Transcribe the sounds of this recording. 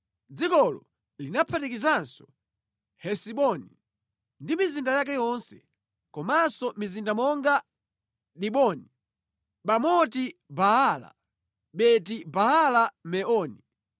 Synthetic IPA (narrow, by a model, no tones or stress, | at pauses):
d͡zikɔlɔ̰ | linapʰatikizansɔ̥ | hɛsiɓɔni | ndimizindajak̬ɛjɔnsɛ | kɔmasɔmizindamɔŋɡa | ɗiɓɔni | ɓamɔtibaala̰ | ɓɛt̬ibahalamɛʔɔni